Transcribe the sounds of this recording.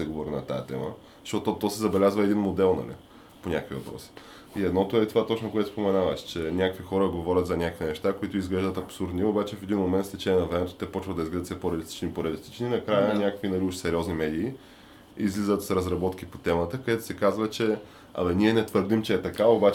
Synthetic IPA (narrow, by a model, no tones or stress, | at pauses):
sɛɡovɔɾinɐt̪a̰jət̪ɛ̰mə̰ | ʃɔt̪ot̪ɔsɛzɐbɛlʲazvəɛd̪inmod̪ɛlˠnɐ̰lḭ | ponʲakvḭvɐpɾɔ̰si̥ | iɛd̪nɔt̪oɛt̪ovat̪ɔt͡ʃnokoɛt̪o̥spomɛnavəʃt͡ʃɛnʲakəkvixɔɾəɡovɔɾʲət̪zɐnʲakəkvinɛʃt̪akoit̪oʊizɡlɛʒd̪ət̪ɐpsuɾd̪niɛobat͡ʃɛfɛd̪inmomɛnt̪st̪ɛt͡ʃɛnʲɛnɐvɾɛmɛt̪ʊ̥t̪ɛpɔt͡ʃvəd̪ɐizɡlɛd̪ət̪sɛpoɾʲɛəlist̪i̥t͡ʃniːpoɾɛəlist̪i̥t͡ʃninɐkɾajənʲakəkvinɐliuʃsɛɾʲiɔznimɛd̪iː | izlizət̪sɾɐzɾɐbɔt̪kipot̪ɛmət̪əkɐd̪ɛt̪ʊ̥sɛkazvət͡ʃɛ | ɐ̰dɛniɛnɛt̪vəɾd̪imt͡ʃɛːt̪ɐkaobat͡ʃ